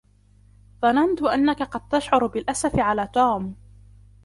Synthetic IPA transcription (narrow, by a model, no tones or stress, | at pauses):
ðˤɑnant̪ʊʔanːakaqɑd̪̚t̪aʃʕʊɾbɪlʔasafɪʕalaːt̪uːm